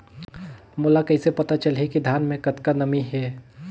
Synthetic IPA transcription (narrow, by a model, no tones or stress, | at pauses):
moːlakɐɪsepɐt̪at͡ʃəlɦikid̪ʱjaːnmẽkɐt̪kanɐmiɦɛː